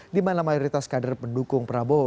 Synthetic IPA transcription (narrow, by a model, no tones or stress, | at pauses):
dimanamajɔɾit̪askadərpəndukʊŋpəɾabo